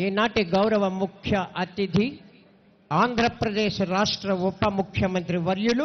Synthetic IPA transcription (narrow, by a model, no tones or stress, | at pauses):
eːnaːʈeɡɐwɾɐʋɐmukʰjɐʔɐt̪id̪ʱi | aːnd̪ʱɾɐpɾɐd̪eːʃɐɾaːʂʈɾɐɔpːɐmukʰjɐmɐnt̪ɾiʋɐɾjulu